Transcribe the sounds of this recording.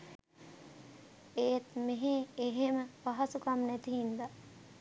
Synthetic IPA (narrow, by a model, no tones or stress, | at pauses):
eːt̪meɦeeɦeməpaɦasukamnæt̪iɦind̪a